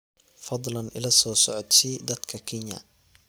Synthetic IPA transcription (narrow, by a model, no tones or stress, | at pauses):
fɑd̪ˤlɐnɪ̰lɐsɔːsɔʕɔt̪sid̪ɐd̪kʰɐkʰɪɲjɐ̰